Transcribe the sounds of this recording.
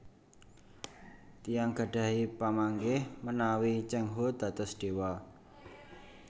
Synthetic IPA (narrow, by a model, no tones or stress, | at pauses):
t̪ijaŋɡ̥a̤ɖ̥ä̤ɦipamaŋɡɪhmənawit͡ʃɛŋɦod̪̥ä̤t̪ɔsɖ̪̥e̤wa